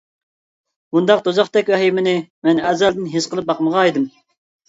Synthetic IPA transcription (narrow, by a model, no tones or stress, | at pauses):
bund̪ɑqt̪ozɑχt̪ɛkʲwɛɦimɪnɪmɛnɛzɛld̪ɪnɦesqʰəlˠɨp̚bɑqməʁɑed̪ɨm